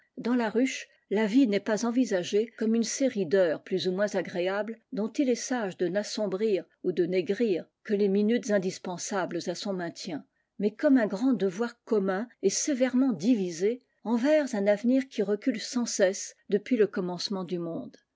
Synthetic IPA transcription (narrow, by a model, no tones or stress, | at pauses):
d̪ɑ̃laʁyʃ | lavinɛpazɑ̃vizaʒekɔmynseʁid̪œːʁplyzumwɛ̃zaɡʁeabld̪ɔ̃t̪ilɛsaʒd̪ənasɔ̃bʁiʁ | ud̪əneɡʁiːʁkəleminyt̪zɛ̃d̪ispɑ̃sablzasɔ̃mɛ̃t̪jɛ̃ | mɛkɔmɛ̃ɡʁɑ̃d̪əvwaʁkɔmɛ̃esevɛʁmɑ̃d̪ivize | ɑ̃vɛʁzɛ̃navniʁkʲʰiʁəkʲylsɑ̃sɛsd̪əpɥiləkɔmɑ̃smɑ̃d̪ymɔ̃d̪